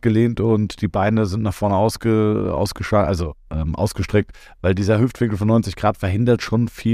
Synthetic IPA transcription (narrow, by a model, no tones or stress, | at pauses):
ɡ̥əleːntʊntd̥iːbaɪnəzɪntnaːχfɔɐnəaʊsɡ̥əʔa̰ʊsɡ̥əʃʔalzoʔɛːmʔa̰ʊsɡ̥əʃtʁ̥ɛk̚t | vaɪldiːzɐhʏftv̥ɪŋkl̩fɔnːɔʏnt͡sɪçɡ̥ʁaːtfɛɐɦɪndɐtʃoːnfiː